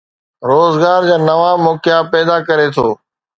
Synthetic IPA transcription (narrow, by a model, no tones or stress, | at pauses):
ɾoːzɡaːɾd͡ʑaːnɐʋaːmoːkɪjapɛːd̪aːkɐɾet̪ʰoː